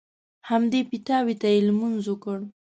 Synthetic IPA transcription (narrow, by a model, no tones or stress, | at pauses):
hamd̪epit̪ɑwit̪aelmunzukəɽ